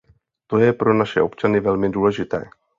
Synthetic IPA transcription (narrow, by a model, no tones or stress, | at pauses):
t̪o̞jɛpɾo̞naʃɛ̰ʔo̞pt͡ʃanɪvɛlmɪduːlɛʒɪt̪ɛ̰ː